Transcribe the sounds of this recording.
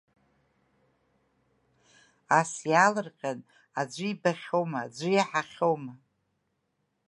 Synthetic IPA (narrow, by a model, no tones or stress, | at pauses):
asjalɨrqʲʼan | ad͡ʒʷɨibaχʲo̞wmaːd͡ʒʷɪjaħaχʲowma